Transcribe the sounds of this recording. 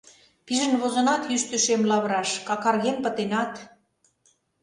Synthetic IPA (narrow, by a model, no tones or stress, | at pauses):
piʒə̆nβozɤ̆nɑt̪jyʃt̪øʃemlɑβɾɑʃkɑkɑrɣenpə̆t̪enɑt̪